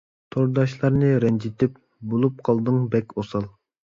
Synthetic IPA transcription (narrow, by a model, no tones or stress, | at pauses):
t̪ʰoɾd̪ɑʃlˠɑɾnɨɾɛnd͡ʒit̪ʰɪp̚ | bolˠup̚qʰɑlˠd̪ɨŋbɛkʲosɑlˠ